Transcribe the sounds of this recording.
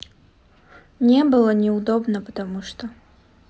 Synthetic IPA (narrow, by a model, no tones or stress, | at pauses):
nʲɛbɨlˠənʲɪʊd̪obnəpə̥t̪ɐmuʂt̪o